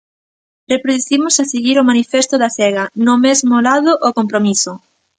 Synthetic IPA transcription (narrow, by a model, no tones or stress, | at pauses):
repɾoðuθimʊsaseɣiɾomanifest̪oðaθɛɣɐnomezmolaðoʔokompɾomiso